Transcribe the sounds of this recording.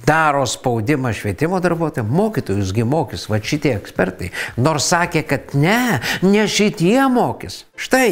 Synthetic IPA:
d̪ɑːɾoːspɐʊd̪ʲɪmɐʃʲʋʲiɛt̪ʲɪmoːd̪ɐɾbuɔt̪oːjɛmmoːkʲiːt̪oːjʊsɡʲɪmoːkʲɪsʋɐʃʲɪt̪ʲiɛɛksʲpʲɛrt̪ɐɪnoːɾssɑːkʲeːkɐt̪nʲɛnʲɛʃʲɪt̪ʲiɛmoːkʲɪs | ʃt̪ɐɪ

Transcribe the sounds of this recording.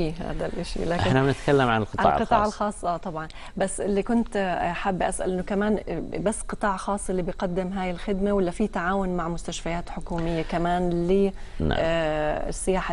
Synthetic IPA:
iːɦa̰ːd̪alʔaʃḭlaːʔɪɪħnabɪnɪt̪kalːamʕa̰nɪlqɨ̥tˤɑl̰ːʕqɨt̪ˤɑːʕalxɑːsˤːʔaːt̪ˤɑbʕɑn | basːʔɪlːikʊnt̪ħabːʔasʔa̰lʔɪnːʊkamaːnbasːqɨt̪ˤɑːʕxɑːsˤʔɪlːiːbɪjqɑd̪ːɪmɦaːjɪlxɪd̪mawalːafiːt̪aʕaːwʊnmaʕmʊst̪aʃfajaːt̪ħʊkuːmɪjːakamaːnlḭː | sːɪjaːħa

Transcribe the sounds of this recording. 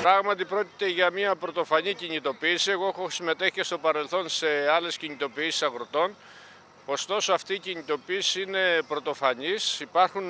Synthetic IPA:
pɾɐɣmɐt̪ipɾo̞ci̥t̪e̞ʝɐmiɐpɾo̞t̪o̞fɐɲiciɲit̪o̞piːsie̞ɣo̞exo̞sime̞t̪e̞çi̥cest̪o̞pɐɾe̞lθo̞nse̞ɐle̞sciɲit̪o̞piːsi̥sɐɣɾot̪o̞n | o̞st̪o̞so̞ɐft̪iːciɲit̪o̞piːsiine̞pɾo̞t̪o̞fɐɲisipɐɾxun

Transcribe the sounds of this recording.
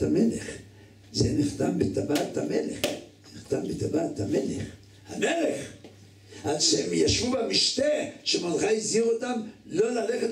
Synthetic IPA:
ameleχ | zeniχt̪ambet̪abat̪hameleχ | niχt̪ambet̪abat̪ameleχ | hameleχ | ʔadʃehemjaʃvubamiʃt̪eʃemonχajiziʁot̪amlo̞laleχet

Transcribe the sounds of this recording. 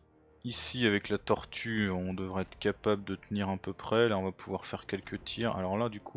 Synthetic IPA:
isiavɛklat̪ɔʁt̪ʰyɔ̃d̪əvʁɛɛt̪χkʲapabləd̪ət̪əniʁɛ̃pøpχɛlaɔ̃vapʰuvwaʁfɛʁkʲɛlkʰət̪ʰiːʁa̰lɔʁlad̪ykʰu

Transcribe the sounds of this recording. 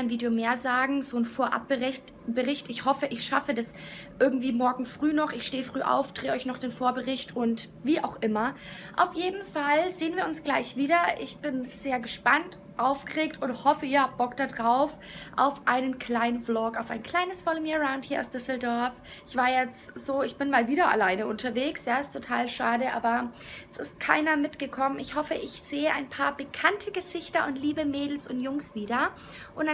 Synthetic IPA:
aɪnviːdjomeːɐzaːɡŋ̩zoːnfoːɐʔa̰p̚b̥əʁɪt | b̥əʁɪçtɪçhɔfəʔɪçʃafədasʔɪɐɡŋ̩tv̥iːmɔɐɡŋ̩fʁ̥yːnɔχɪçʃteːəfʁ̥yːʔa̰ʊfd̥ʁeːəʔɔʏçnɔχd̥eːnfoːɐbəʁɪçtʰʊntviːʔa̰ʊxʔɪmɐ | ʔa̰ʊfjeːdn̩falzeːənviːɐʊnsɡ̥laɪçv̥iːdɐʔɪçb̥ɪnz̥eːɐɡəʃpant | ʔaʊfɡ̥əʁeːk̚tʊnthɔfəɪːɐhap̚t̚b̥ɔktd̥adʁaʊf | ʔa̰ʊfʔaɪnənkʰl̥aɪnənflɔkaʊfaɪnkʰl̥aɪnəsfɔlmiəʁaʊnthiːɐa̰ʊsd̥ʏsl̩dɔɐf | ɪçv̥aːɐjɛt͡stz̥oːɪçb̥ɪnmaːlviːdɐʔa̰laɪnəʊntʰɐveːksjaːɪstʰotʰaːlʃaːdəʔa̰ːbɐ | ɛsɪst̚kʰa̰ɪnɐmɪtɡ̥əkʰɔmənɪçhɔfəʔɪçz̥eːəʔaɪnpʰaːɐbəkʰantʰəɡəzɪçtɐʔʊntliːbəmeːdl̩sʊntjʊŋsv̥iːdɐ | ʔʊnta

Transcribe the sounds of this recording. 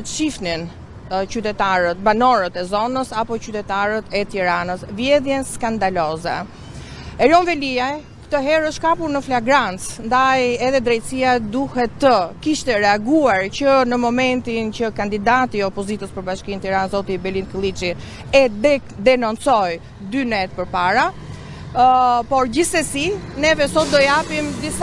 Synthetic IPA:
əʃifnin | t͡ɕyt̪ɛt̪aɾət̪̚banɔɾət̪ɛzɔnəsapɔcyt̪ɛt̪aɾət̪ʰɛt̪iɾanəsvjɛðjɛnskand̪alɔzɛ | ɛɾjɔnvɛlia | kt̪ɔɦɛɾəʃkapuɾnəflaɡɾant͡snd̪ajɛðɛd̪ɾɛjt̪siad̪uhɛt̪ːəkiʃt̪ɛɾɛaɡuaɾcənəmɔmɛnt̪incəkand̪id̪at̪iɔpɔzit̪əspəɾbaʃkint̪iɾanzɔt̪ibɛlinkəlˠit͡ʃi | ɛ | d̪ɛnɔnt͡sɔj | d̪ynɛt̪̚pəɾpaɾa | pɔɾɟisɛsinɛvɛsɔt̪̚d̪ɔjapimd̪is

